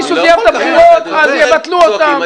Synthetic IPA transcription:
isʃud̪jaʁt̪abχiʁot̪azjevat̪luot̪amm

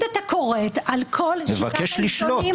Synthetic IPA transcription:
det̪akoʁet̪alkʰolmevakeʃliʃloi

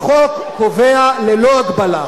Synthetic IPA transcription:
χok | kovealeloaɡbala

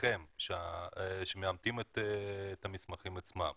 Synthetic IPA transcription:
emʃeaʃemeamt̪imet̪ːt̪amismaχimat͡sma̰m

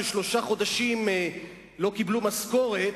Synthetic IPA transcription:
eʃlo̞ʃaχo̞d̪aʃim | lo̞kiblumasko̞ʁet

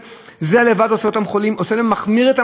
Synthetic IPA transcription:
zealevad̪oseot̪amχolimʔoselemaχmiʁet̪a

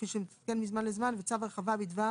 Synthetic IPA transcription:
fiʃəmkɛnmizmanlˠɪzmanvət͡savəχavabidva

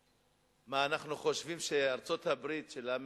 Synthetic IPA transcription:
maːnaχnuχo̞ʃvimʃeaʁt͡so̞thabʁit̪ʃelam

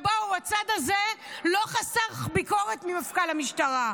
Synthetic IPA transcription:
bauat͡sad̪azelo̞χasaχbiko̞ʁetmimafkalamiʃtaʁa

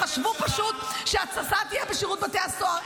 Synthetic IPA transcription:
aʃvupaʃut̪ʃeat͡sasat̪ijɛbeʃiʁut̪̚bat̪easoa

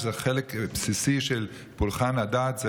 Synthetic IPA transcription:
zeχelekpsisiʃel | pulχanhadaːt̪ze

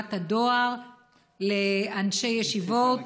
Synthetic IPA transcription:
thadoaʁ | leanʃe̞jeʃivot

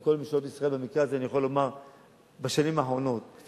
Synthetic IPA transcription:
ko̞lmiʃot̪isʁae̞lbemikʁeazeanijaχo̞lo̞maʁ | baʃanimaːħʁo̞no̞t̪̚

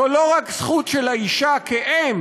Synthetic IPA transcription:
olo̞ʁaksχut̪ʃelaiʃakeʔem

